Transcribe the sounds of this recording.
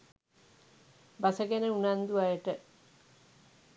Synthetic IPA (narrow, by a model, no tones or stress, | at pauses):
basəɡenəunand̪uajəʈə